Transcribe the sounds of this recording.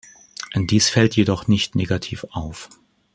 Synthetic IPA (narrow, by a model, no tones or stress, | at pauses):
ʔɛnd̥iːsfɛltjedɔχnɪçtneːɡatʰḭːfaʊf